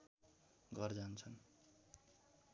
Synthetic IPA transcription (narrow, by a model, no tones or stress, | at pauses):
ɡʌrd͡zant͡sʰʌn